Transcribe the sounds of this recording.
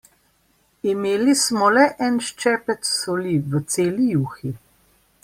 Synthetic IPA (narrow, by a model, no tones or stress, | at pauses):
imeːlismɔlɛʔɛnʃt͡ʃɛpɛt̪sɔliʋət̪seːlijuːxi